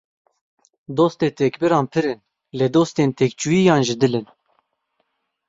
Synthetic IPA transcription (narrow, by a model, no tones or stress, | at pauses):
d̪oːst̪eːt̪ʰɛkbɨɾɑːnpʰɨɾɨn | led̪oːst̪eːnt̪ʰɛkt͡ʃujijɑːnʒɨd̪ɨlɨn